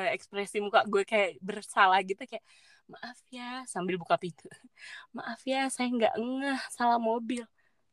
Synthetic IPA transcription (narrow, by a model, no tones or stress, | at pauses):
aʔɛkspɾɛsimukaʔɡuɛkajaʔbərsalahɡit̪ukajaʔ | maʔafiasambɪlbukapit̪umaʔafiasajaŋɡa̰ʔəŋahsalamobɪl